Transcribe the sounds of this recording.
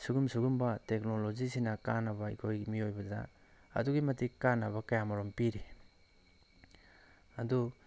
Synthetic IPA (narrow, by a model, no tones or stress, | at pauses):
suɡumsuɡumbɐtek̚nolod͡ʒisinɐkanɐbɐḭkʰojmiojbɐdɐ̰ | ɐ̰duɡimɐtikanːɐβɐkɐjamɐɾompiɾi | ɐdu